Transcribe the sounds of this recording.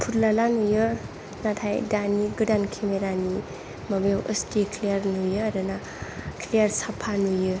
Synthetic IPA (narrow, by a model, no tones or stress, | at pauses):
pʰuɾlalanujə | natʰajdaniɡɨdankʰemeɾani | məbewʔə̰sd͡ʒekʰliəɾnujɯadəna | kʰliəɾsapʰanujɯ